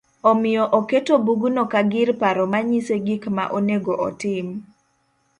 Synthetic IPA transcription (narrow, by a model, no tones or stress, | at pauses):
omɪjɔʔoketobuɡunokaɡɪɾpaɾɔmaɲiseɡikma̰ʔoneɡoʔɔ̰tɪm